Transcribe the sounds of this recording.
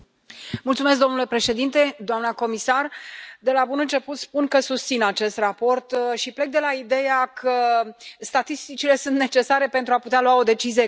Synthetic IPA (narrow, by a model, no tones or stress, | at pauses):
mult̪sumesk̚d̪onule̞pɾe̞ʃe̞d̪int̪e̞d̪oamnəko̞misard̪e̞labunɨnt͡ʃe̞put̪spunkəsust̪sinat͡ʃe̞st̪rapo̞rt̪ʃiple̞k̚d̪e̞laid̪e̞jakʰəst̪at̪ist̪it͡ʃile̞sunt̪ne̞t͡ʃe̞saɾe̞pent̪ɾuaput̪ealuwao̞d̪e̞t͡ʃizije